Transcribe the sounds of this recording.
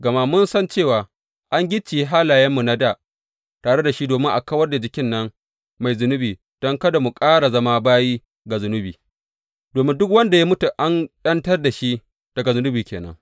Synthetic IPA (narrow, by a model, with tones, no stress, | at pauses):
ɡɐ˨ma˦mʊ˦nsɐ˦nt͡ʃeː˦˨waː˨ | ʔa˦ŋɡʲɪ˦t͡ʃːi˨jɦa˦laː˨jɐ˦mːu˨na˦daː˨ | taː˨ɽe˦da˨ʃi˦doː˨mɪ˦ŋʔa̰˨kɐ˦wɐ˦rda˨d͡ʒɪ˨kʲɪ˦nːɐ˦ŋ | ma˨jzʊ˨nʊ˦biː˨ | d̥ɔ˦ŋkɐ˦da˨mu˨kʼaː˦ɽa˨zɐ˦maː˦baː˦jiː˦ | ɡa˨zʊ˨nʊ˦biː˨ | d̥oː˨mɪ˦ndʊ˦k̬wɐ˦nda˨ja˦mʊ˦tu˨ʔa˦nɗɐ˦ntɐ˦rda˨ʃi˦ | d̥ɐ˨ɡa˨zʊ˨nʊ˦biː˨kʲeː˨nɐ̰˦ŋ